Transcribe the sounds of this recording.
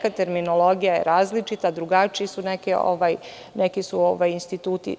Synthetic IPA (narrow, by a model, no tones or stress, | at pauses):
kat̪e̞ɾminolˠo̞ɡijajḛɾaːzlit͡ʃit̪ad̪ɾuɡat͡ʃiisunekeo̰ʋaj | nekisuoʋajinst̪it̪uːt̪ḭ